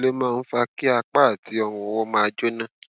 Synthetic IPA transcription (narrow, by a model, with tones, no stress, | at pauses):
le˦mãː˦˧n̩˦fa˧ki˦a˧k͡pa˦˨ti˨˦ɔ˧w̃ũ˧˨wɔ˦mãː˦˧˦d͡ʒo˦nã˦